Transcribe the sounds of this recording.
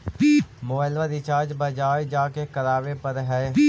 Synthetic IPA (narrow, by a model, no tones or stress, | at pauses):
pːmoːəlʋəd̪ɪt͡ʃaːd͡ʒbəd͡ʒaːjd͡ʒaːkekəɾaːʋepəɾɦɛː